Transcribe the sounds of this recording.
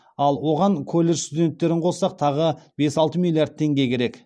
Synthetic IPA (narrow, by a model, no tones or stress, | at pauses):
ɑlˠwo̞ʁɑŋkʰolʲːe̞ʒst̪ud̪ʲe̞nt̪ːe̞ɾɪɴqʰo̞sɑq̚t̪ʰɑʁəb̥e̞sɑlˠt̪əmilˠijaɾd̪̚t̪ʰːe̞ŋɡʲe̞kʲʰe̞ɾe̞k